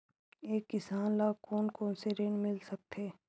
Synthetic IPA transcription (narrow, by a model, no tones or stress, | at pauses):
eːkːɪsaːnlaːkoːnkoːnseɾẽːɳmɪlsɐk̚t̪ʰeː